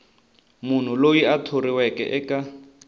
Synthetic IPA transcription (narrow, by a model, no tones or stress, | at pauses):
mun̤ulojiatʰoɾiwɛkɛ̰ʔɛka